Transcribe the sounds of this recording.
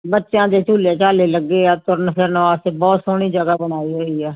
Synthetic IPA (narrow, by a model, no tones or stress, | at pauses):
bətːʃjãːd̪eːt͡ʃuːleːt͡ʃaːleːləɡːeːaːt̪ʊɾnəkəɾnʋaːst̪eːbɔːt̪sʊːɽ̃iːd͡ʒəɡaːbənaːiːɦoːiːɛː